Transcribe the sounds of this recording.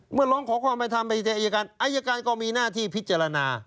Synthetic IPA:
mɯ˥˩ɐlɔː˦˥ŋkʰɔː˩˦kʰwaː˧˩mpa˧jt̪ʰa˧mpa˧˩t͡ɕa˧˩ʔa˧ja˧ka˧nʔa˧ja˧kaː˧nkɔː˥˩miː˧naː˥˩t̪ʰiː˥˩pʰi˦˥t̪̚t͡ɕa˧ɾa˧naː˧

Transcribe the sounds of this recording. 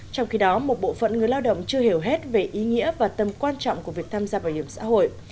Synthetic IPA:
t͡ɕɔ˧wŋ͡mxi˧ɗɔ˨˦mo˨˩t̚ɓo̰˧˨fə̰˧˨nŋɨ˨˩əjlaː˧wɗə̰˧˨wŋ͡mt͡ɕɨ˧əhi˧˩əwɦe˦˥t̚ve˨˩ʔi˨˦ŋḭ˧˥əvaː˨˩t̪ə˨˩mkwaː˧nt͡ɕɔ̰˧˨wŋ͡mku˧˩vi˨˩ək̚t̪ʰaː˧mzaː˧ɓaː˧˩jhi˧˩əmsa̰ː˧˥ho̰˧˨j

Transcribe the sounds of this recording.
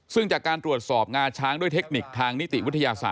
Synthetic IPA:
sɯ˥˩ŋt͡ɕaː˨˩kːaː˧nt̪ɾu˨˩ət̪̚sɔː˨˩p̚ŋaː˧t͡ɕʰaː˦˥ŋdu˥˩əjt̪ʰe˦˥k̚ni˨˩k̚t̪ʰaː˧ŋni˦˥t̪ḭ˨˩wi˦˥t̪ʰa˧jaː˧sa̰ː˨˩

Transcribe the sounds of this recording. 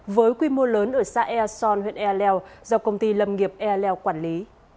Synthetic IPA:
vəː˨˦jkwi˧mo˧ləː˨˦nʔəː˧˩sa̰ː˧˥ʔɛ˧sɔ˧nhwḭ˧˨ənʔɛ˧lɛ˧wzɔ˧wkə˧wŋ͡mt̪i˧lə˧˩mŋi˨˩əp̚ʔɛ˧lɛ˧wkwaː˧˩nli˨˦

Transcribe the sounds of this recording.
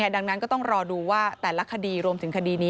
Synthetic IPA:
ədaː˧ŋna˦˥nkɔ˥˩t̪ɔ˥˩ŋɾɔː˧duː˧waː˥˩t̪ɛː˨˩la˦˥kʰa˧diː˧ɾu˧əmt̪ʰɯ˩˦ŋkʰa˧diː˧niː˦˥

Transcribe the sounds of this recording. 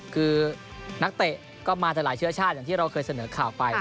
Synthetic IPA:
kʰɯː˧ | na˦˥k̚t̪e˨˩ʔ | kɔː˥˩maː˧t͡ɕaː˨˩klaː˩˦jt͡ɕʰɯ˥˩ɐt͡ɕʰaː˥˩t̪̚jaː˨˩ŋt̪ʰiː˥˩ɾa˧wkʰɤː˧jsa˧nɤː˩˦kʰaː˨˩wpa˧j

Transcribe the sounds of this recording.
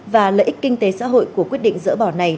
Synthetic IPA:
vaː˨˩ləː˧˨jʔi˦˥k̚kï˧ŋ̟t̪e˨˦sa̰ː˧˥ɦo̰˧˨jku˧˩əkwi˦˥ət̚ɗḭ̈˧˨ŋ̟zɨ̰˧˥ɓɔ˧˩na˨˩j

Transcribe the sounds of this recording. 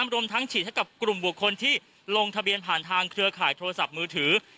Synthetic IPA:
mɾu˧əmt̪ʰa˦˥ŋt͡ɕʰiː˨˩t̪̚ʰa˥˩ka˨˩p̚klu˨˩mbu˨˩əkʰːo˧nt̪ʰiː˥˩ | lo˧ŋt̪ʰa˧bi˧ənpʰaː˨˩nt̪ʰaː˧ŋkʰɾɯ˧ɐkʰaː˨˩jt̪ʰoː˧ɾa˧sa˨˩p̚mɯː˧t̪ʰɯː˩˦

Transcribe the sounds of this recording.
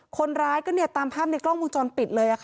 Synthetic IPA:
kʰo˧nɾaː˦˥jkɔː˥˩ni˥˩ɐt̪aː˧mpʰaː˥˩p̚na˧jklɔː˥˩ŋmu˧nt͡ɕɔː˧npi˨˩t̪̚lɤː˧jʔa˨˩kʰ

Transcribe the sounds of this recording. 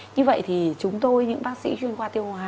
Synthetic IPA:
ɲɨ˧və̰˧˨jt̪ʰi˨˩t͡ɕʊ˨˦ŋ͡mt̪o˧jɲɨ̰˧˥ŋɓaː˦˥k̚sḭ˧˥t͡ɕwi˧ənkwaː˧t̪i˧əwhwa˧

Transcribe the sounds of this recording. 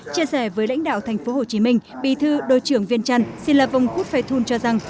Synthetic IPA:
t͡ɕi˧əsɛ˧˩vəː˨˦jla̰˧˥jŋ̟ɗa̰ː˧˨wt̪ʰɛ˨˩jŋ̟fo˨˦ho˨˩t͡ɕi˨˦mï˧ŋ̟ɓḭ˧˨t̪ʰɨ˧ɗo̰˧˨jt͡ɕɨ˧˩əŋvi˧ənt͡ɕa˧ŋ̟si˧nlaː˨˩va˨˩wŋ͡mxu˦˥t̚faː˧jt̪ʰu˧nt͡ɕɔ˧za˨˩ŋ

